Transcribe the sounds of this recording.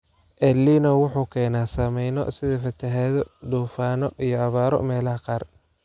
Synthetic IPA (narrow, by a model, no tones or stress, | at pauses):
ʔɛlːiːnɐwʊħuːkʰɛːnaːsɐmɛjnɔ̰sɪðɐfɐt̪ʰɐɦɛːðɔd̪uːfaːnɔʔijɔɐβaːɾɔ̰mɛːlɐɦɐqɑːr